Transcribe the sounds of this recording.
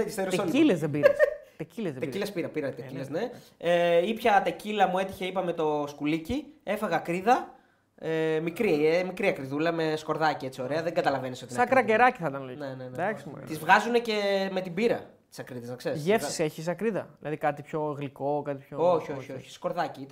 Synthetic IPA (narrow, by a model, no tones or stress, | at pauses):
ist̪eɾoseoilezðebiɾest̪ecilezðet̪eiɾcilespiɾɐpiɾɐt̪ecilesne | eipçɐt̪ecilɐmue̞t̪içe̞ipɐme̞t̪o̞skulicie̞fɐɣɐːkɾiðɐ | emikɾiemikɾiɐkɾiðulɐme̞sko̞ɾðɐcie̞t͡sio̞ɾe̞ɐðeŋɡɐt̪ɐlɐve̞niso̞t̪insɐkɾɐkeɾɐciθɐt̪ɐnlnenend̪ɐksimut̪izvɣɐzune̞ce̞me̞t̪ibiɾɐ | t̪i̥sɐkɾiðezɐkseɾsʝefsi̥seçis̬ɐkɾiðɐ̰ðilɐðikɐt̪ipçoɣliko̞kɐt̪ipçooçio̞çioçi̥sko̞ɾðɐciit̪